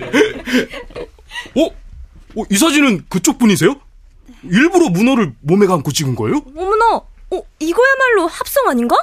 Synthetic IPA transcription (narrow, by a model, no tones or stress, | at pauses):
ʌoʔis̬ʰʌd͡ʑinɯnkɯt͡ɕ͈ok̚p͈uɲis̬ʰe̞jo | iɭbuɾomunʌɾɯɭmome̞ɡankot͡ɕʰiɡɯnɡʌejoʌmunaʌiɡʌjamaɭːohap̚s͈ʌŋaɲiŋɡa